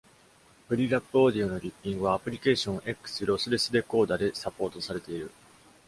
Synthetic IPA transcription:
pɯ̟ɾʲiɾapːɯ̟oːd̪ʲio̞no̞ɾʲipʲːĩŋɡɯ̟βaːpɯ̟ɾʲike̞ːɕõ̞ɰ̃ʔe̞kːɯ̥sɨɾo̞sɨɾe̞sɨd̪e̞ko̞ːd̪ad̪e̞sapo̞ːt̪o̞saɾe̞t̪e̞iɾɯ̟

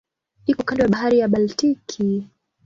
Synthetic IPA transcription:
ikɔkandɛwaɓaɦaɾijaɓaltikʰi

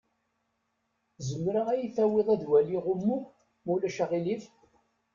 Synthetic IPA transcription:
zəmːɾaæjiθæwɪðˤæðwæliʁʊmːu | mulæʃaʁilif

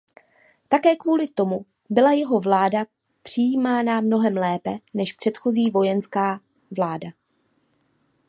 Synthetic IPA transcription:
t̪akɛːkvuːlɪt̪o̞mu | bɪlajɛɦo̞vlaːda | pr̝̥ɪjiːmaːnamno̞ɦɛmlɛːpɛnɛʃpr̝̥ɛt̪xo̞ziːvo̞jɛnskaː | vlaːda

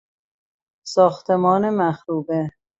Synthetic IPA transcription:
sɒːxt̪ʰemɒːnemæxɾuːbe

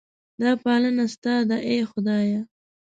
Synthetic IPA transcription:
d̪ɑpɑlənast̪ɑd̪aʔexʊd̪ɑja

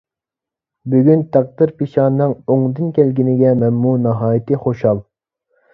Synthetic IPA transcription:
byɡʲynt̪ʰæq̚d̪ɨɾpiʃɑːnːɨŋoŋd̪ɨnkʲɛlɡʲinɪɡʲɛmɛnmunɑɦɑːjit̪ʰɨχoʃɑlˠ

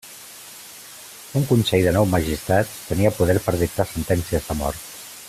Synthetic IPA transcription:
uŋkunsɛjðənɔwməʒist̪ɾat̪t̪əniəpuðɛɾpəɾðik̚t̪asənt̪ɛnsiəzðəmɔ̰ɾt̪

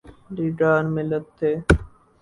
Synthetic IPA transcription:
liːɖaːnmɪlət̪ʰːeː

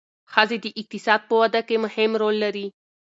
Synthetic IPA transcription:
xazid̪əʔɪq̚t̪ɪsɑːd̪̚pəwad̪akemʊhɪmɾoːlːaɾi

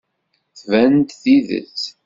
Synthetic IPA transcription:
θvænt̪θiðə̰t͡s

